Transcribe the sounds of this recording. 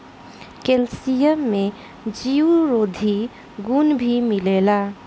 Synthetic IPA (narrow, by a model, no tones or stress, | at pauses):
kelsijəmːe | d͡ʒiuɾod̪ʱi | ɡunbʱimilela